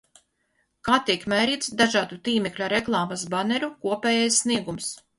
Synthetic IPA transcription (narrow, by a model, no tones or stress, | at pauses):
kaːt̪iɛkmʲɛjɾiːt̪sd̪aʒɑːd̪ut̪iːmɛklʲuɾeklˠɑːmasbanɛɾukuɔpʲɛːjajsːniɛɡums